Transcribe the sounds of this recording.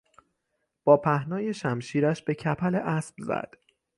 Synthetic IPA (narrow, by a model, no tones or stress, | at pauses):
b̥ɒːpʰæhnɒːje̞ʃæmʃiːɾæʃbe̞cʰæpʰæleʔæsb̥zæ̰d̪̥